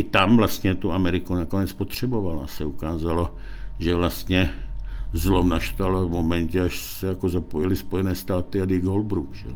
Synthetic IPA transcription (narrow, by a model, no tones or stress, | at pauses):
ʔɪt̪amvlast̪ɲɛt̪uamɛɾɪkunakonɛt͡spot̪r̝̥ɛbovalaasɛukaːzalo | ʒɛvlast̪ɲɛ | zlomnaʃt̪alvmomɛncɛaʃsɛjakozapojɪlɪspojɛnɛːst̪aːt̪ɪad̪iɡolbɾukʒɛ̰